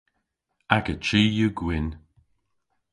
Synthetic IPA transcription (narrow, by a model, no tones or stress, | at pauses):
aɡət͡ʃiːjuɡwɪn